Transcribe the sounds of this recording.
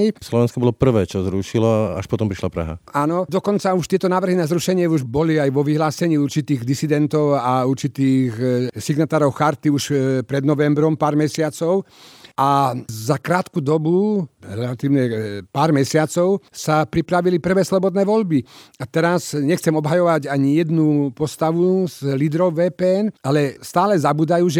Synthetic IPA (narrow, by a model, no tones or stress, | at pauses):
islɔʋɛnskɔbɔlɔpr̩ʋɛːt͡ʃɔzɾuʃilɔa̰ʃpɔt̪ɔmpɾiʃlapɾa̰ɦa̰aːnɔd̪ɔkɔnt͡sauʃt̪ɪɛt̪ɔnaːʋr̩ɦinazɾuʃɛɲɪɛuʒbɔliajʋɔʋiɦlaːsɛɲiːuɾt͡ʃit̪iːɣd̪isid̪ɛnt̪ɔʊauɾt͡ʃit̪iːxsiɡnat̪aːɾɔʊxaɾt̪iuʃpɾɛd̪nɔʋɛmbɾɔmpaːɾmɛsɪat͡sɔʊazakɾaːt̪kud̪ɔbuɾɛlat̪iːʊɲɛpaːɾmɛsɪat͡sɔʊsapɾipɾaʋilipr̩ʋɛːslɔbɔd̪nɛːʋɔʎbiat̪ɛɾasɲɛxt͡sɛmɔbɦajɔʋaɟaɲijɛd̪nupɔst̪aʋuzlid̪ɾɔʊʋɛːpɛːɛnalɛst̪aːlɛzabuːd̪ajuːʒɛ